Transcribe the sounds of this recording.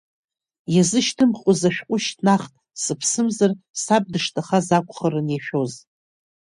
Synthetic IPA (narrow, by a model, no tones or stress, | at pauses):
jazɨʃtʰɨmχʼʊzaʃᶣqʷʼʊʃtʰnaχtʼ | sɨpʰsɨmzar | sab̚dɨʂtʰaχazakʷʰʼχəɾɨnjaʃᶣoz